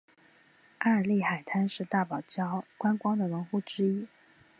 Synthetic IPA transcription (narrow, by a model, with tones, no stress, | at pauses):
a˥˩ə˞˨˩li˥˩xa˨˩ɪt̪ʰa˥nʂɻ̩˥˧t̪a˥˩pɑ˨˩ʊt͡ɕjɑ˥ʊkwa˥nkwɑ˥ŋd̪ə˨wə˧˥nxu˥˩ʈ͡ʂɻ̩˥i˥